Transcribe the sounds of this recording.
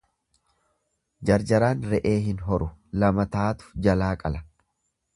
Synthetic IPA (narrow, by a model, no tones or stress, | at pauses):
d͡ʒɐɾd͡ʒɐɾaːnɾɛʔe̞ːɦɪnɦɔɾʊlɐmɐt̪aːt̪ʊ̥d͡ʒɐlaːkʼɐlɐ̥